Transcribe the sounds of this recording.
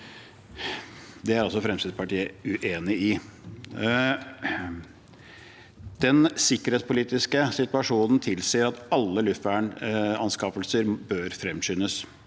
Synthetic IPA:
d̪ɛæɾɑlsɔfɾɛmst̪iːd̪spɑʈiːəʉʔeːnɪɪ | d̪̥ɛnsɪkːəɾheːt̪spʰʊliːt̪ɪskəsɪt̪ʉɑʂuːnn̩t̪ʰɪlsiːəɾɑt̪ɑlːəlʉft̪ʋæːɳɑnskɑpəlsəɾbøːɾfɾɛmɕʏːnəs

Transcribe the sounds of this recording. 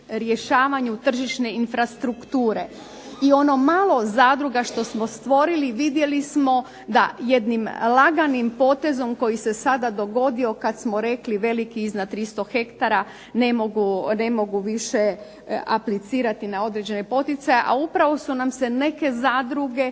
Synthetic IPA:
ɾjeʃaːʋaɲut̪r̩ʒiʃne̞infɾast̪ɾukt̪uːɾe̞ | io̞no̞maːlˠo̞zaːd̪ɾuɡaʃt̪o̞smo̞st̪ʋo̞ɾiliʋid̪je̞lismo̞ | d̪aje̞d̪nimlaɡanimpo̞ːt̪e̞zo̞mko̞jise̞sad̪ad̪o̞ɡo̞d̪io̞kat̪smo̞ɾe̞kliʋe̞likiiznad̪̚t̪ːɾist̪o̞xe̞kt̪aɾa | nemoɡune̞mo̞ɡuʋiʃe̞ | a̰plit̪siːɾat̪inao̞d̪ɾed͡ʑe̞nepo̞t̪it̪sajeʔaupɾaʋo̞sunamse̞ne̞ke̞zaːd̪ɾuɡe̞

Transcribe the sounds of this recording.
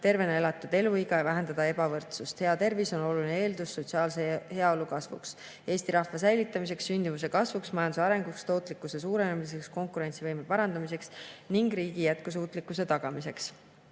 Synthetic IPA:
t̪e̞rve̞ne̞lɑt̪ːˑud̪̥e̞luiɡɑjɑvæɦend̪ɑd̪̥ɑe̞bɑvɤrt̪sust̪he̞ɑt̪e̞rviso̞no̞lulinee̞ːld̪usːo̞t̪siɑːlsehe̞ɑo̞lukɑsvṵks | e̞ːst̪iɾɑhvɑsæjlit̪ːˑɑmis̬e̞ksːynʲd̪̥imus̬e̞kɑsvuksmɑjɑnd̪usɑɾe̞ŋɡukst̪o̞ːt̪ˑlikːˑuse̞suːɾe̞nemis̬e̞ksko̞ŋkuɾe̞nʲsivɤjmepɑɾɑnd̪̥ɑmis̬e̞ksniŋɡɾiːɡ̥ijæt̪̚kus̬uːt̪ˑlikːuse̞t̪ɑɡ̥ɑmise̞ks

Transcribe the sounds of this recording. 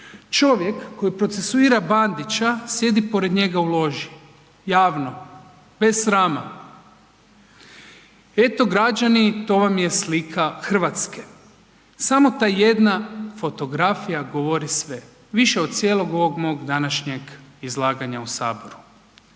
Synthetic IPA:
t͡ʃo̞ʋje̞kːo̞jipɾo̞t̪se̞suiːɾaband̪it͡ʃasje̞d̪ipo̞ɾe̞d̪ɲe̞ɡaulo̞ʒi | jaːʋno̞ | b̥e̞sːɾaːma | e̞t̪o̞ɡɾad͡ʒanit̪o̞ʋamje̞slikʰaxr̩ʋat̪ske | samo̞t̪aːje̞d̪nafo̞t̪o̞ɡɾafijaɡo̞ʋo̞ɾisʋe̞ | ʋiʃeod̪̥̚t̪sʲje̞ːlˠo̞ɡo̞ʋoɡmo̞ːɡd̪anaʃɲe̞ɡizlˠaːɡaɲausaːbo̞ɾu

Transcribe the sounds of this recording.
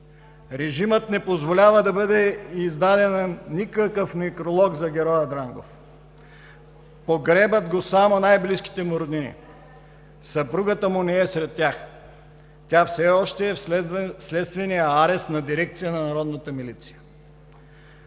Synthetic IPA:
ɾɛʒimət̪nɛpozvolʲavəd̪ɐbɤd̪ɛizd̪ad̪ɛnnikəkəfmikɾolˠɔɡzɐɡʲɛɾɔjɐd̪ɾaŋɡo̰f | poɡɾɛbəd̪ɡosamonajbliski̥t̪ɛmoɾod̪inḭ | sɐpɾuɡət̪əmʊnɛɛsɾɛt̪ːʲax | t̪ʲjafsɛɔʃt̪ɛːslɛt̪st̪vɛnijəaɾɛst̪nɐd̪iɾɛk̚t̪sijənɐnɐɾɔd̪nət̪əmilit̪si̥jə̥

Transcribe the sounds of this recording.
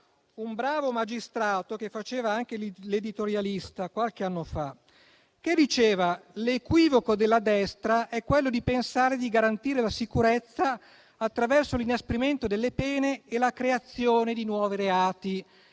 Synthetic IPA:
umbɾaːvomad͡ʒist̪ɾaːt̪ok̟efːat͡ʃeːvaaŋk̟elled̪it̪oɾjalist̪akwalkeanːofa | k̟ed̪ːit͡ʃeːvalekwiːvokod̪elːad̪ɛst̪ɾaʔɛkːwelːod̪ipensaːɾed̪iɡaɾant̪iːɾelasikuɾet̪sːaː | t̪ːɾavɛrsolinaspeɾiment̪od̪elːepɛːneːlakɾeat̪sːjoːned̪inwɔːviɾeaːt̪i

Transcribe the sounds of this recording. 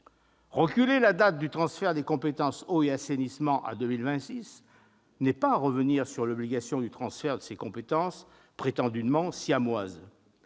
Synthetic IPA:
ʁəkʲylelad̪at̪̚d̪yt̪χɑ̃sfɛʁd̪ekɔ̃pet̪ɑ̃soeasenismɑ̃ʔa̰d̪ømilvɛ̃t̪sis | nɛpaʁəvəniʁsyʁlɔbliɡasjɔ̃d̪yt̪χɑ̃sfɛʁd̪əsekɔ̃pet̪ɑ̃s | pχet̪ɑ̃d̪ymɑ̃sjamwaz

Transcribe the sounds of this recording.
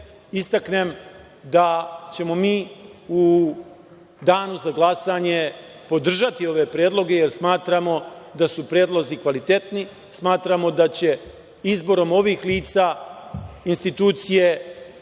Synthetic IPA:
ist̪akne̞m | d̪at͡ɕe̞mo̞miːu | d̪aːnuzaɡlˠasaɲe̞ | po̞d̪r̩ʒat̪io̞ʋe̞pɾjeːd̪lˠo̞ɡe̞jeɾsmaːt̪ɾamo̞d̪asupɾjeːd̪lˠo̞zikʋalit̪e̞t̪ni | smaːt̪ɾamo̞d̪at͡ɕe̞ | izbo̞ɾo̞mo̞ʋiːxliːt̪sa | inst̪it̪uːt̪sije̞

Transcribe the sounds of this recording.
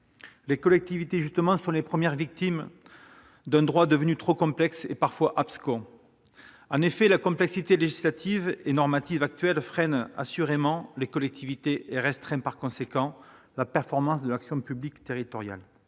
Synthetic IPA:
lekɔlɛk̚t̪ivit̪eʒyst̪əmɑ̃sɔ̃lepχəmjɛʁvik̚t̪im | d̪ɛ̃d̪ʁwad̪əvənyt̪χokɔ̃plɛksepaʁfwaʔapskɔ̃ | ɑ̃nefɛlakɔ̃plɛksit̪eleʒislat̪ʰivenɔʁmat̪ivak̚t̪ɥɛlfχɛna̰syʁemɑ̃lekɔlɛk̚t̪ʰivit̪eʔeʁɛst̪χɛ̃paʁkɔ̃sekɑ̃ | lapɛʁfɔʁmɑ̃sd̪əlaksjɔ̃pyblikt̪eʁit̪ɔʁja̰l

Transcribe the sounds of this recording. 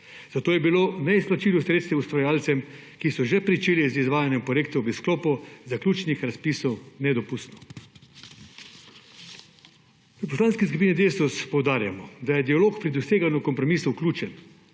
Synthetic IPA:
z̥at̪oːjɛbiloːnɛisplat͡ʃiːlɔsɾeːt̪st̪ʋɛust̪ʋaɾjaːlt̪sɛm | kisɔʒɛpɾit͡ʃeːlizizʋaːjanjɛmpɾɔjeːkt̪ɔbisklɔːpɔzaklʲuːt͡ʃnixɾaspisɔwnɛd̪ɔpust̪nɔ̥ | ʋɛpɔslaːnskiskupinid̪eːsɔspɔwd̪aːɾjamɔd̪ajɛd̪ialoːkpɾid̪ɔseːɡanukɔmpɾɔmiːsɔwklʲuːt͡ʃɛn

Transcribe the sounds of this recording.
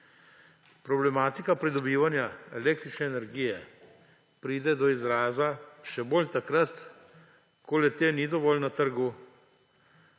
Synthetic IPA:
pɾɔblɛmaːt̪ikapɾid̪ɔbiːʋanjaɛleːk̚t̪ɾit͡ʃnɛːnɛɾɡiːjɛ | pɾiːd̪ɛd̪ɔizɾaːzaʃɛbolt̪akɾat̪ | kolɛt̪eːnid̪ɔʋɔːlnat̪əɾɡu

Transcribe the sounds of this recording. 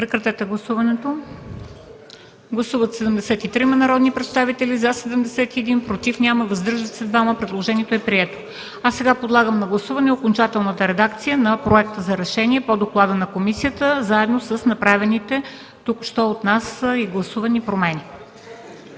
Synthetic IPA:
pɾɛkɾɐt̪ɛt̪ɛɡlˠɐsuvɐnɛt̪o | ɡlˠɐsuvət̪sɛd̪əmd̪ɛsɛt̪it̪ɾimɛnɐɾɔd̪nipɾɛt̪st̪avit̪ɛlizasɛd̪əmd̪ɛsɛt̪iɛd̪inpɾot̪ifnʲaməvɐzd̪əɾʒət̪sɛd̪vaməpɾɛd̪lˠoʒɛniɛt̪oɛpɾiɛt̪o̥ | asːɛɡapod̪lˠaɡəmnɐɡlˠɐsuvɐnɛokont͡ʃat̪ɛlˠnət̪əɾɛd̪akt̪sijənɐpɾoɛk̚t̪əzɐɾɛʃɛniɛpod̪oklˠad̪ənɐkomisijət̪əzaɛd̪nosəsnɐpɾavɛnit̪ɛ | t̪ukʃt̪ɔot̪nasiɡlˠɐsuvɐnipɾomɛni

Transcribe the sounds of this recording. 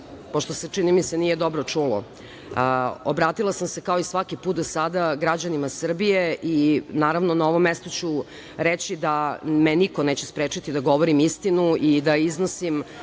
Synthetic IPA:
poʃt̪o̞se̞t͡ʂinimise̞nije̞d̪o̞bɾot͡ʂuːlo̰ | obɾaːt̪ilˠasamsekaoisʋakipuːt̪̚d̪osad̪aɡɾad͡ʑanimasr̩bije̞ʔinaːɾaʋno̞nao̞ʋo̞mest̪o̞t͡ɕu | ɾet͡ɕid̪amenikoneːt͡ɕespɾeːt͡ʂit̪id̪aɡo̞ʋoɾimist̪inuid̪aiznosim

